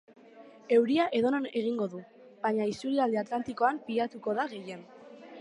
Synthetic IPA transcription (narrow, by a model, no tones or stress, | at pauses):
e̞wɾiaʔe̞ðo̞none̞ɣ̞iŋɡo̞ðu | βaɲaist̪uɾiald̪eat̪lant̪iko̞ampiʎat̪uko̞ðaɣe̞je̞n